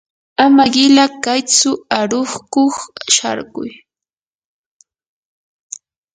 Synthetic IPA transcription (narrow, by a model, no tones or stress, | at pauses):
amaɢɪlakajt͡sʊaɾoχkoχʃa̰ɾɢʊ̰j